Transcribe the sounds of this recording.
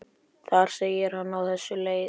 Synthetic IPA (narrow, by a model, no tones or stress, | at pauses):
θaɾ̥sejɪɾ̥hanːawθɛsːʏleːj